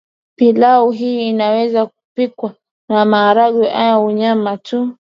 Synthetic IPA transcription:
pilauɦiːnawɛzak̚u̥pikwa | namaːɾaɠwiʔajauɲamatʰu

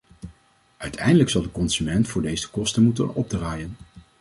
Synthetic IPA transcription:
ʔœɥtʰɛjndələksɑlˠdəkɔnz̥ymɛntfʊːɹdejzə̥kɔstənmutənɔ̰b̚draːjən

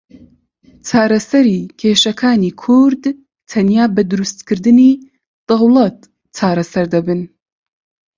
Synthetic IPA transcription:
t͡ʃʰaːɾɐsɐɾiːkʰeːʃɐkʰaːniːkʰuɾd̪ | t̪ʰɐnjaːbɐd̪ɨɾust̪kʰɨɾd̪ɨni | d̪̥ɑwlˠɐt̪̚ | t͡ʃʰaːɾɐsɐɾd̪ɐbɨn

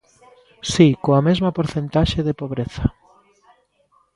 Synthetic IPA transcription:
sikoamezmɐpoɾθent̪aʃeðepoβɾeθɐ

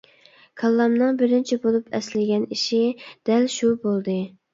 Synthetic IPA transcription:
kʰɑlˠːɑmnɨŋbɪɾɪnt͡ʃʰibolˠupʰɛslɪɡʲɛniʃid̪̥ɛlʃubolˠd̪ɨ

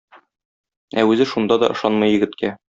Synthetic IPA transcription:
æʉzɘʃund̪ɑd̪ɒ̰ʔɤ̆ʃɑnmɤjːɘ̆ɡɘ̆t̪kæ

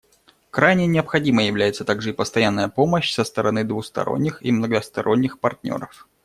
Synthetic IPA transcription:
kɾajnʲɪnʲɪəpxɐdʲiməjjɪvlʲæjɪt̪sət̪aɡʐɨɪpəst̪ɐjanːəjəpoməɕsəst̪əɾɐnɨd̪vʊxst̪ɐ̰ɾo̞̰nʲːɪximnəɡəst̪ɐɾo̞nʲːɪxpɐrtʲnʲo̞̰ɾəf

